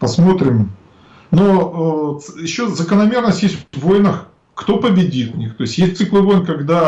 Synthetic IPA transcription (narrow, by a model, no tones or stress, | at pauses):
pɐsmo̞t̪ɾʲɪm | noəjɪɕːozəkənɐmʲernəsʲtʲjesʲt̪ʲvːo̞jnəx | kt̪o̞pəbʲɪdʲit̪nʲixt̪o̞ɪsʲjesʲt̪̚ʲsɨklˠɨvo̞jnkɐɡd̪a